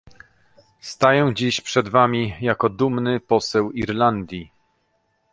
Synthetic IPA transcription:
st̪ajɛw̃d͡ʑiɕpʂɛd̪vamʲijakɔd̪umnɘpɔsɛwiɾland̪ʲji

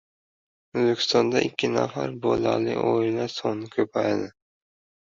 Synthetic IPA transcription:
ɵzbekʲʰɪ̥st̪ɒnd̪aʔɪkʲʰːɪna̰faɾbolalɪ̰ʔojlasoŋnɪkʲʰɵpʰajad̪ɪ

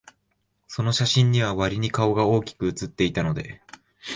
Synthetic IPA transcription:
so̞no̞ɕaɕĩɲ̟ːiβ̞aβaɾʲiɲ̟ikao̞ɡao̞ːkʲi̥kɯ̟ɯt͡sɨt̪ːe̞it̪ano̞d̪e̞

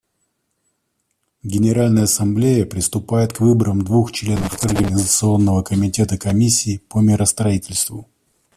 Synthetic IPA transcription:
ɡʲɪnʲɪɾalʲnəjəɐsɐmblʲejəpɾʲɪst̪ʊpajɪt̪kvɨbəɾəmd̪vuxt͡ɕlʲe̞nəfɐrɡənʲɪzət̪sɨo̞nːəvəkəmʲɪtʲe̞t̪əkɐmʲisʲːɪːpəmʲɪɾəst̪ɾɐitʲɪlʲst̪vʊ

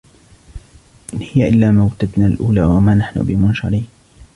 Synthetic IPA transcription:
ʔɪnhɪjaʔɪlːaːmawt̪ad̪naːlʔuːlaːwamaːnaħnʊ̰bɪmʊnʃɑ̰ɾiː

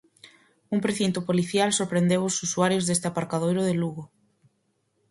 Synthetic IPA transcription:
uŋpɾeθint̪ʊpoliθjalsoɾpɾend̪ewʊsusuaɾjozðest̪eapaɾkað̞ojɾʊðeluɣʊ

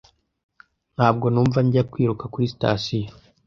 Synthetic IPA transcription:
nhaːb̚ɡo̞nuːɱvaɲɟakwiːɾukakuɾisi̥ta̰ːsijo

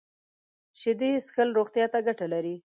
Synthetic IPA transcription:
ʃɪd̪eskəlɾoɣt̪jɑt̪aɡaʈalaɾi

